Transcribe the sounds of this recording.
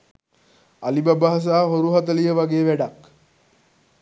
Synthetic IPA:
alibabaɦas̬aːɦoɾuɦat̪əlijəʋaɡeːʋæɖak

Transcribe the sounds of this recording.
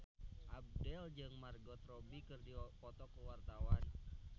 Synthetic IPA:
ʔab̚dɛld͡ʒɨŋmarɡɔt̪rɔbikɨrdipɔt̪ɔkəwart̪awan

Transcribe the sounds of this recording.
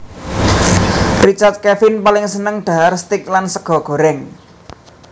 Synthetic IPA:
rit͡ʃart̪̚kɛfɪnpalɪŋsənəŋɖ̪̥a̤arst̪ɪk̚lansəɡ̥ɔ̤ɡ̥o̤ɾɛŋ

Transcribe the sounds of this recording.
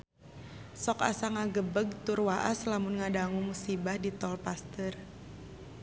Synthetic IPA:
sɔka̰saŋaɡəbəɡ̚t̪ʊrwaʔaslamʊnŋadaŋumusibahdit̪ɔlpast̪ər

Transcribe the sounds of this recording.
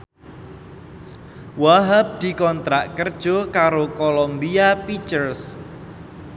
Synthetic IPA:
waɦap̚d̪̥i̤kɔnt̪ɾaʔkərd̥ʒ̥okaɾokolombiapit͡ʃərs

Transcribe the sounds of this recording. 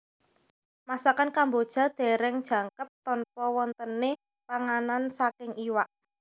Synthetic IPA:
masakankambod̥ʒ̥a̤d̪̥e̤ɾɛŋd̥ʒ̥a̤ŋkəp̚t̪ɔnpɔwɔnt̪ənːe | paŋanansakɪŋiwaʔ

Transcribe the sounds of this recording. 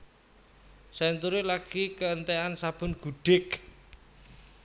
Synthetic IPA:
saint̪uɾilaɡ̥ikəənt̪eansab̥ʊ̤nɡ̥uɖ̥ɪk

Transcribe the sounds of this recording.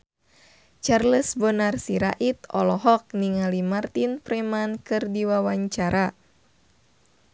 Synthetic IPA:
t͡ʃarləsbɔnarsiɾa̰ʔit̪ɔ̰lɔɦɔk̚niŋalimart̪inpɾɛmankɨrdiwawaɲt͡ʃaɾa

